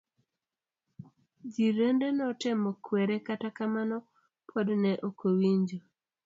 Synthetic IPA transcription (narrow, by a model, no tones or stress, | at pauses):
d͡ʒiɾendenɔtɪmɔkwɛɾɛkatakamanɔ | pʰɔdnɛʔokowiɲd͡ʒo